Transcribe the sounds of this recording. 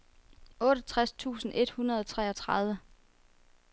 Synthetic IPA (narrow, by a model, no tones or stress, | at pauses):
ɔːɾ̥ɐt͡sʰʁast͡sʰṵːsn̩ʔe̝d̥hunɐð̞ˠɒ̽t͡sʰʁɛ̰ːɒ̽t͡sʰʁɑ̈ð̞ˠʋə